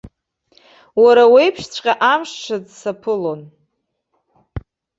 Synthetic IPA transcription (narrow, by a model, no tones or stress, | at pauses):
waɾawejpʰʂt͡sʷʰʼqʲʼaʔamʂʈ͡ʂʰad͡zsapʰɨlo̞n